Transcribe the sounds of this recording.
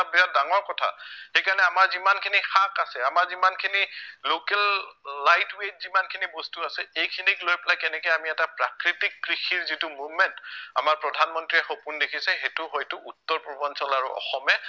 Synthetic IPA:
bɛjadaŋɔɹkɔtʰa̰xejkaɹɔnɛamaɹzimankʰinixakasɛamaɹzimankʰinilokɛlːajtwejt̚zimankʰinibɔstuasɛejkʰiniklojpɛlakɛnɛkɛjamiɛtapɹakɹitikːɹixʰiɹzitʊmubmɛnta̰maɹpɹɔdʱanmɔntɹiɛxopundekʰisɛxetʊɦojtʊʔutːɔɹpɹubɔnsɔlaɹuʔɔ̰xɔmɛ

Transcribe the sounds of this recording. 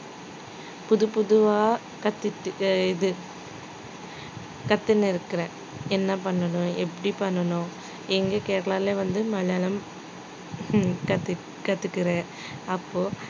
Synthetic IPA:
pʊðɯpʊðɯʋaː | kɐt̪ːɯʈːɪðɯ | kɐt̪ːɪnːɪɾɯkːɪɾẽː | ɛnːɐpɐɳːɐnʊ̃ɛpːɐɽipɐɳːɐnʊ̃ | ɛŋɡeːkeːʈɐɭaːleːʋɐnd̪ɯmɐlɐlɐm | kɐt̪ː | kɐt̪ːɯkːɪɾẽː | ɐpːoː

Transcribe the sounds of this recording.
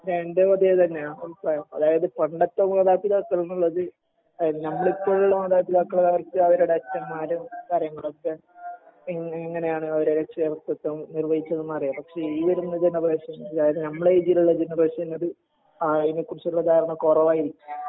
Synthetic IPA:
ɾeɳɖeʋɐd̪ijɐt̪ɐnːeaolprɐjɐ̰ðaːjɐðɨpɐɳɖɐt̪ːomɐðaːpːiðaːkːɐɭnuɭːɐðɨ | nɐmːɐɭipːoːɭuɭːɐmɐðaːpiðaːkːɐɭɐðɐʋɐrkːɨɐʋɐɾuɽeɐt͡ɕːɐmːaːɾumkaːɾjɐŋːɐɭokːe | eŋŋːɐne̞jaːɳɨɐʋɐɾeɾekʂɐerɐk̚t̪ːɐt̪ːɐnirʋɐjit͡ɕːɐðɨmɐːrijapɐkʂe̞iːʋɐɾunːɐd͡ʑenːɐreːʂɐmɐðaːjɐðɨnɐmːɐɭeid͡ʑiluɭːɐd͡ʑenɐreːɕiɐnːɐðɨ | ainkːurɨt͡ɕːɭːɐk̪aːɐɾɐɳɐkorɐʋaːjiɾikʲːum

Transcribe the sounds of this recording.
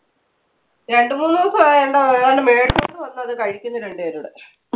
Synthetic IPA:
ɾe̞ɳɖɨmuːnːukːɐeɳɖaɳɖɨme̞ːʈuoɳɖɨʋɐnːɐɐðɨkɐɻikʲːunːɐɾe̞ɳɖɨeɾuɽɨ

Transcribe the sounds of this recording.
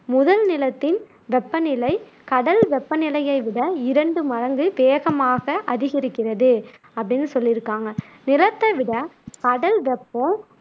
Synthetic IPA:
mʊðɐlnɪlɐt̪ːɪn | ʋɛpːɐnɪlɐɪ | kɐɽɐlʋɛpːɐnɪlɐjɐɪʋɪɽɐɪɾɐɳɖɯmɐɻɐŋɡɯʋeːɣɐmaːɣɐʔɐðɪɣɪɾɯkːɪrɐðɯ | ɐpːɐɽɪnːɯsɔlːɪɾɯkːaːŋɡɐ | nɪlɐt̪ːɐʋɪɽɐkɐɽɐlʋɛpːɔ̃

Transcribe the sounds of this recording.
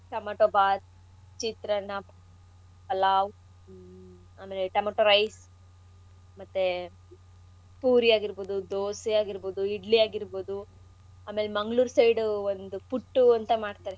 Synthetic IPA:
ʈɐmɐʈoːbaːt̪ | t͡ʃit̪ɾɐnɐp | pɐlaːʋ | aːme̞ːleʈɐmoʈoɾɐjs | mɐt̪ːe | puːɾijaːɡiɾboːd̪ud̪oːsiaːɡiɾboːd̪uiɖlijaːɡiɾboːd̪u | aːme̞ːlemɐŋɡɭuːɾsɐjɖuond̪upuʈːuɐnt̪ɐmaːɽt̪aːɾe

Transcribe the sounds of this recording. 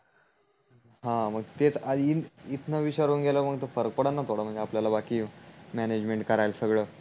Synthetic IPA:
ɦãməɡ̚t̪et͡saiit̪nəʋiɕaɾunɡʱeləməɡt̪ofəɾək̚pəɽanːat̪ʰoɽəm̤ə̃ɳnd͡zeapljalabakiːmæned͡ʑmeɳʈkəɾajlsəɡɭəː

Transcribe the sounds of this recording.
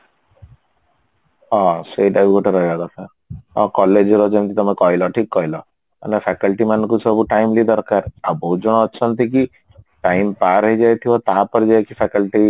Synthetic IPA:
ɔ̃seɖajbɡɔʈeɾɔɦibaɡ̪ɔsaɾ | ɔ̃kɔled͡ʒɾɔd͡ʒɔnkit̪ɔmekɔɦilɔʈʰikːɔɦilɔ | a̰nepʰɛkɔlʈimankusɔbuʈajmlid̪ɔɾkaɾabɔɦut̪̚d͡ʒɔɽ̃ɔːt͡ʃʰɔnt̪iki | ʈajmpaɾɦɔjd͡ʒajt̪ʰibɔt̪apɔɾid͡ʒajkipʰɛkɔlʈi

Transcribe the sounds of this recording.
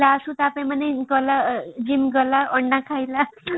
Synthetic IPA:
laəsũt̪apaj̃manajɡɔlad͡ʑimɡʌlaʔɔɳɖãkʰajla

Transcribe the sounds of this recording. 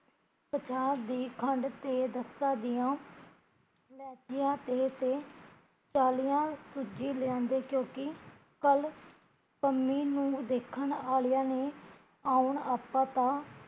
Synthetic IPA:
pət͡ʃʰaːd̪iːkʰəɳɖt̪eːd̪əsːãːd̪ɪjãː | lɛːd͡ʒɪjãːt̪eːt̪eː | t͡ʃaːlijãːsʊd͡ʒiːlɪãːnd̪eːkjõːkɪ | kəl | pəmːiːnũːd̪eːkʰːəɳaːlɪjãːneː | aːʊɳaːpːãːt̪ãː

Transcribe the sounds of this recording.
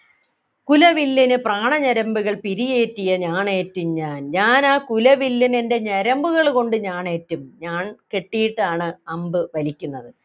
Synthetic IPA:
kulɐʋilːinɨpraːɳɐɲɐɾɐmbuɣɐɭpiɾije̞ːtːijɐɲaːɳe̞ːtːumɲaːnɲaːnaːkulɐʋilːininde̞ɲɐɾɐmbuɣɐɭko̞ɳɖɨɲaːɳe̞ːtːumɲaːɳke̞ʈːijiʈːaːɳɨɐmbɨʋɐlikʲːunːɐðɨ

